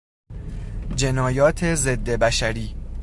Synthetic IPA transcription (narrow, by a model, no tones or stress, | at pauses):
d͡ʒe̞nɒːjɒːt̪ʰe̞ze̞d̪ːebæʃæɾiː